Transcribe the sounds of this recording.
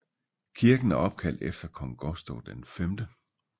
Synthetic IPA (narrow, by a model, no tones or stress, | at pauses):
kʰiɐɡ̥n̩æɐɒ̽b̥̚kʰæl̰d̥efd̥ɐkʰɒ̽ŋɡ̥ɒsd̥ɔʊd̥enfemd̥ə